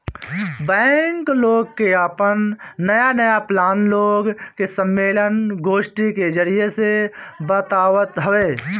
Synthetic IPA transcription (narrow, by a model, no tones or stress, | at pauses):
bɛːŋkloːɡ̚keapənːəjanəjaplaːnloːɡkesə̃mːeːlənɡoːʃʈiked͡ʒəɾijesebət̪aːʋət̪ɦəʋeː